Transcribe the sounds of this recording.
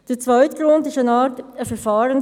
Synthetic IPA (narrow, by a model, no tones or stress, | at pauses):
d̥eɛːt͡svœʏtɡ̥ɾʊndɪstaɪnɑːɾtəfɛɾfɑːɾʊŋ